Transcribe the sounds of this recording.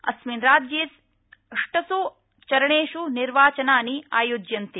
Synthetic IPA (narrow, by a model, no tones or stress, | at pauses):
ɐ̰sminɾaːd͡ʒjeːs | ɐʂʈɐsu | t͡ʃɐɾɐɳeːʃuniɾʋaːt͡ʃɐnaːnia̰ːjoːd͡ʒjɐnt̪i